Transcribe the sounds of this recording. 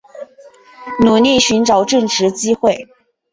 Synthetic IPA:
nu˨˩li˥˩ɕy˧˥nʈ͡ʂɑ˨˩˦ʊʈ͡ʂɤ˥˩ŋʈ͡ʂɻ̩˧˥t͡ɕi˥xwe˥˩ɪ

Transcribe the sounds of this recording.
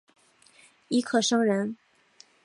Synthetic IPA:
i˧˥kʰɤ˨˩ʂɤ˥ŋɻə˧˥n

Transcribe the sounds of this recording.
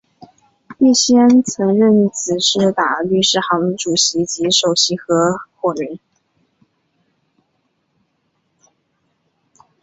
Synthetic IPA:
i˥˩ɕjɛ˥nt͡sʰɤ˧˥ŋɻə˥˩nt͡sʰɹ̩˨˩ʂɻ̩˥˩t̪a˨˩ly˥˧ʂɻ̩˥˩xɑ˧˥ŋʈ͡ʂu˨˩ɕi˧˥t͡ɕi˧˥ʂo˨˩ʊɕi˧˥xɤ˧˥xwɔ˨˩li˧˥˦n

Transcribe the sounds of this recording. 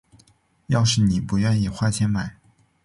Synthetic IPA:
jɑ˥˧ʊʂɻ̩˥˩ni˨˩pu˧˥ɥɛ˥˧ni˥˧xwa˥˧t͡ɕʰjɛ˧˥nma˨˩˦ɪ

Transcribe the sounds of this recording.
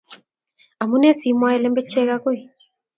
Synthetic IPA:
a˨mu˦nɛ˦si˨mwa˦ɛ˨˦lɛ˦mbɛ˦t͡ʃɛ˦ɣa˦ɣo˦i˨

